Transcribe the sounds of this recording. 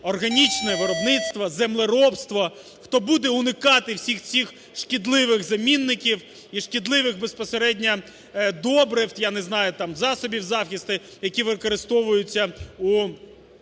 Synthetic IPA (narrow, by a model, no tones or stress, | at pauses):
ɔrɦɐnʲit͡ʃnɛʋɪɾɔbnɪt̪st̪ʋɐzemlˠɪɾɔpst̪ʋɔ | xt̪ɔbud̪ɛʊnɪkɑt̪ɪwsʲixsʲix | ʃkʲid̪lˠɪʋɪɣzɐmʲinːɪkʲiw | iʃkʲid̪lˠɪʋɪxbespɔseɾɛdʲnʲɐ | d̪ɔbɾɪft̪janɛznɑjʊt̪ɑmzɑsɔbʲiwzɑxʲist̪ɪ | jɐkʲiʋɪkɔɾɪst̪ɔʋʊjʊt͡sʲːɐu